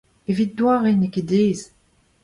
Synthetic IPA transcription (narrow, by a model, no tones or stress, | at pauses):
evit̪̚d̪waːʁeneked̪eːz